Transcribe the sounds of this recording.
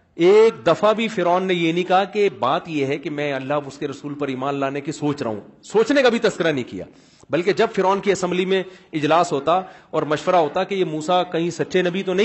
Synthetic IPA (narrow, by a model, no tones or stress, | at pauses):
eːk̚d̪ɐfabʱifɪɾɔːnːejenĩkɐɦakebaːt̪jeɦɛkemɛ̃ːɐlːaɦʊskeɾɐsuːlpɐɾiːmaːnlaːnekisoːt͡ʃɾɐ̰ɦṵ̃ːsoːt͡ʃnekabʱit̪ɐskɪɾanɐɦĩkḭja̰ː | bɐlked͡ʒɐbfɪɾɔːnkiɐsɛ̃mblimẽɪd͡ʒlaːsɦoːt̪aɔːɾmɐʃʋəɾaɦoːt̪akejemuːsakɐɦĩsɐtːʃʰenɐbʱit̪onɐɦĩ